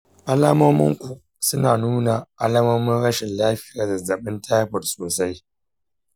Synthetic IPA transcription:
ʔa˦laː˦mɐ˦mʊ̰˦ŋkʷu˨ | sʊ˦naː˨nuː˦na˨ʔa˦laː˦mɐ˦mʊ˦nɽɐ˦ʃɪ˨nlaː˦ɸɪ˦jaː˨zɐ˨zɐ˨ɓɪ˦ntʰaː˦jɸɔ˨tsoː˨sa˦j

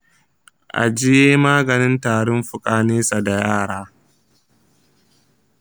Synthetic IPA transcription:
ʔa̰˨d͡ʒɪ˦jeː˦maː˦ɡɐ˨nɪ˦ntaː˨ɽʊ˦mɸʊ˨kʼaː˨˦neː˦sa˨da˨jaː˦˨ɽaː˦

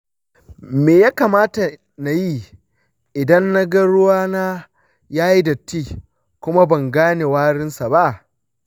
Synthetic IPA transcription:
meː˨jaː˦kaː˨maː˦ta˨ | na˨ji˦ | ʔɪ˨dɐ˦nːa˦ɡɐ˦ɽʊ˦waː˦naː˦ | jaː˦ji˦dɐ˨tːiː˦˨ | kʷʊ˦ma˦bɐ˨ŋɡaː˦ne˨waː˦ɽɪ˦nsa˨ba˦ʔ

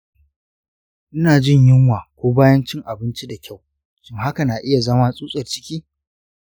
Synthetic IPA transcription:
ʔɪ˦naː˨d͡ʒɪ˦˨ɲjɪ˦ŋwaː˨kʷoː˦baː˦jɐ˦nt͡ʃɪ˦ŋʔa˨bɪ˦nt͡ʃi˦da˨kʲʰa˦˨w | t͡ʃɪ˦ŋɦa˦ka˨naː˨ʔɪ˦ja˨zɐ˦maː˦sʼuː˦sʼɐ˨rt͡ʃɪ̥˦kʲiː˦

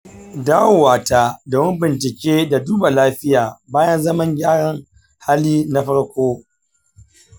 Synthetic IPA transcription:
daː˦wwaː˨taː˦doː˨mɪ˦mbɪ˨nt͡ʃɪ˨kʲeː˦da˨duː˦ba˨laː˦ɸɪ˦jaː˨baː˦jɐ˦nzɐ˦mɐ˦ŋɡʲaː˦ɽɐ˦ŋ | ha˦liː˦na˦ɸɐ˦ɽkʷoː˦

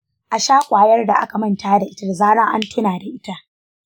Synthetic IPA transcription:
ʔa˨ʃaː˦kʷʼaː˨jɐ˦rda˨ʔa˦ka˨mɐ˦ntaː˦da˨ʔɪ˦ta˦da˨zaː˦ɽɐ˦ŋʔa̰˦ntʰɪ˦naː˨da˨ʔɪ˦ta˦ʔ

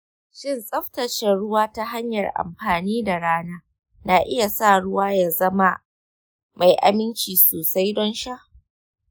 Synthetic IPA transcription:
ʃɪ˦˨nsʼɐ˦ɸtɐ˨ʃɛ˨ɽʊ˦waː˦ta˦ɦa˦ɲjɐ˨rʔa̰˨mɸaː˨niː˦da˨ɽaː˦naː˦ | na˨ʔɪ˦ja˨sa˦˨ɽʊ˦waː˦ja˨zɐ˦ma˦ | ma˨jʔa̰˨mɪ˦nt͡ʃiː˨soː˨sa˦jdɔ˦nʃa˦ʔ

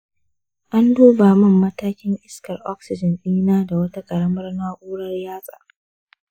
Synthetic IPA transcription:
ʔa˦nduː˦baː˨mɐ˦˨mːɐ˦taː˦kʲɪ˦ŋʔɪ˦skɐ˨rʔɔ˦ksɪ˨d͡ʒɐ˨nɗiː˦naː˦da˨wɐ˦ta˦kʼɐ˨ɽɐ˦mɐ˦rnaː˦ʔʷuː˦ɽɐ˦rjaː˦sʼa̰ː˨

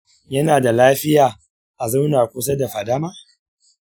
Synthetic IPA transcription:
jɐ˦naː˨da˨laː˦ɸɪ˦jaː˨ | ʔa˨za˦wnaː˨kʷʊ˦s̬ɐ˦da˨ɸɐ˨da˦maː˦

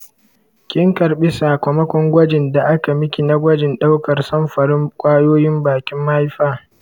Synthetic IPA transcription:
kʲɪ˦ŋkɐ˨rɓɪ˦saː˨kʷɔ˨mɐ˦kʷɔ˦ŋɡʷɐ˦d͡ʒɪ˨nda˨ʔa˦ka˨mɪ˦kʲi˨na˦ɡʷɐ˦d͡ʒɪ˨nɗa˦wkɐ˨rsɐ˦mɸɐ˨ɽɪ˦ŋkʷʼaː˦joː˦jɪ˦mbaː˨kʲɪ˦mːa˦ha˦jɸaː˦

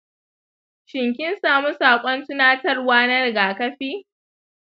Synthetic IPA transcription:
ʃɪ˨ŋkʲɪ˦nsaː˨mu˦saː˨kʷʼɔ˦ntʊ˦naː˦tɐ˦rwaː˦nɐ˦rɡaː˨kɐ˦ɸiː˦

